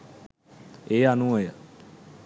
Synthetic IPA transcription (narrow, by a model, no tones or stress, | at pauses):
eːɦaːnũːoːjaː